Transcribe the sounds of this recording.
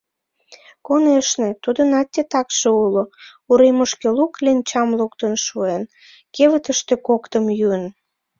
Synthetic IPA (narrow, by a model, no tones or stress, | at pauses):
koneʃnet̪ud̪ənɑt̪ʲːet̪ɑkʃeulo | uɾeməʃkeluklent͡ɕɑmluk̚t̪ənʃuen | keβət̪əʃt̪ĕkokt̪əmjyən